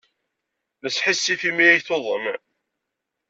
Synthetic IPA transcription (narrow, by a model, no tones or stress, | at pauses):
ðəsːħisːiθimiæjθoðˤə̰m